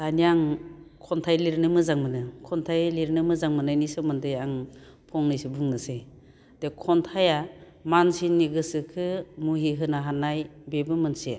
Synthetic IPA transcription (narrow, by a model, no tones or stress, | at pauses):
danijaŋkʰɔntʰajliɾnɯmɯzaŋmɯnɯkʰɔntʰajliɾnɯmɯzaŋmɯnajnisɯmɯndɯjaŋ | pʰɔŋnɯjsibuŋnɯse | dekʰɔntʰaja | mansinːiɡɯsɯkʰɯmuɦiɦɯnaɦanajbebɯmɯnsḭ